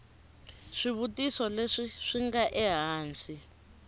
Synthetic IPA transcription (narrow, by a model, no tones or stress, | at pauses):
ʂiβutisɔleʂiʂiŋɡaʔɛɦaːnsʼi